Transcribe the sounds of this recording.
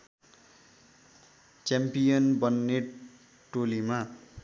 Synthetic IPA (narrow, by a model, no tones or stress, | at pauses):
t͡ɕampijʌnbʌnːe | ʈolima